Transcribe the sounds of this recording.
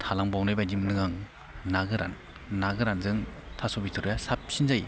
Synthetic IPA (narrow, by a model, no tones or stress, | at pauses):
t̪ʰalaŋbɔwnɯjbajdimnɯŋaŋ | naɡɯɾa̰nː | aɡɯɾanzɯŋtʰasɔbitʰɯɾɯjasap̚sinzaj